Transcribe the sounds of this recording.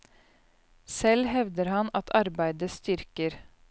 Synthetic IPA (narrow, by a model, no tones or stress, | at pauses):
sɛlhɛʋd̪əɾhɑnɑt̪ʰɑɾbæɪd̪əst̪ʏɾkəɾ